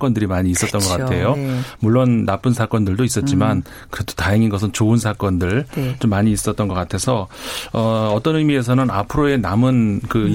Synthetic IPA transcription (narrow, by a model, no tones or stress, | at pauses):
k͈ʌndɯɾimaɲiːs͈ʌt͈̚ʌnɡʌk͈attʰe̞jomuɭːonːap͈ɯnsʰak͈ʌndɯɭdois͈ʌt̚t͡ɕ͈iman | kɯɾedo̥tajʌŋinɡʌs̬ʰɯnt͡ɕoɯnsʰak͈ʌndɯɭt͡ɕomːaɲiːs͈ʌt̚t͈ʌnɡʌk͈atʰe̞sʰʌʌʌt͈ʌnɯmie̞s̬ʰʌnɯnapʰɯɾoe̞namɯnkɯ